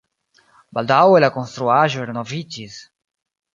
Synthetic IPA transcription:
bald̪awɛlakõnst̪ɾuaʒueɾnovit͡ʃis

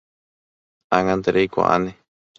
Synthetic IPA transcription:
aŋãnt̪eɾʔejka̰ʔa̰ne

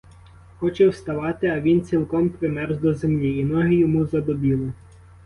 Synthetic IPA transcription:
xɔt͡ʃɛwst̪ɐʋɑt̪ɪɐʋʲint͡sʲilˠkɔmpɾɪmɛɾzd̪ɔzemlʲiːnɔɦɪjɔmuzɐd̪ɔbʲilˠɪ

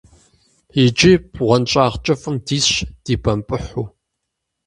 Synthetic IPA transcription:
id͡ʒibʁʷɔnt͡ʃʼaːʁt͡ʃʼɐfɨmdiːsɕd̥iːbɐmpʼɨħuː

